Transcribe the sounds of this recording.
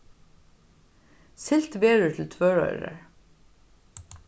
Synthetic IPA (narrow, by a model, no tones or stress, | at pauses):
sɪlt̪vɛːɾʏɹt̪ʰɪlt̪ʰvœːɹœ̰ʏɾa̰ɹ